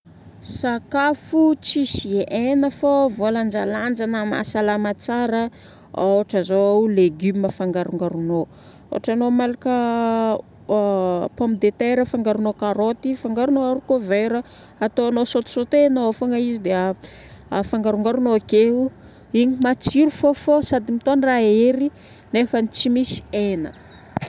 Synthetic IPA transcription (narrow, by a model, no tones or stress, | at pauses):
sakafut͡sisiʔenəfovoland͡ʒaland͡ʒanəma̰salamat͡saɾə | awaʈ͡ʂazoleɡyməfaŋɡaɾuŋɡaɾuno | o̰aʈ͡ʂanomalakə | pompid̪et̪eɾəfaŋɡaɾunokaɾot̪ifaŋɡaɾunoaɾukoveɾə | at̪oanosot̪u̥sot̪enaofoŋaizid̪ea | faŋɡaɾuŋɡaɾunoakeu | iɲimat͡siɾufofosad̪imit̪onraeɾi | nefənit͡simisi̥enə̰